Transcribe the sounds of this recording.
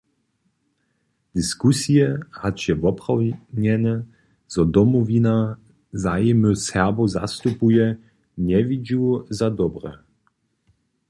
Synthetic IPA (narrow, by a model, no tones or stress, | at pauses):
d̪̥iskusijɛhat͡ʃjɛvɔpʁawɲɛnɛ | z̥ɔd̪ɔmɔvina | zajɛməsɛbɔza̰st̪upujɛ | ɲɛvid͡ʒuzad̪ɔbʁɛ̰